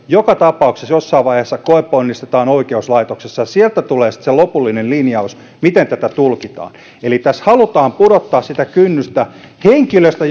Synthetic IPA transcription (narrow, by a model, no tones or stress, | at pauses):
jokɑt̪ɑpɑuksesjosːɑːʋʋɑihesːɑkoepːoonːist̪et̪ɑːnoikeuslɑit̪oksesːɑjɑsielt̪æt̪uleːsi̥t̪selopulːinellinjɑus | mit̪ent̪æt̪æt̪ulkit̪ɑ̰ːn | elit̪æshɑlut̪ɑːmpudot̪ːɑːssit̪ækynːyst̪æ | heŋkiløst̪æ